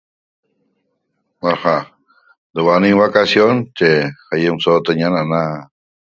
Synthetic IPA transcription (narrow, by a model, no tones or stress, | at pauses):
waɾxa | d̪əwaniŋβakasjont͡ʃexajəmsot̪əɲanana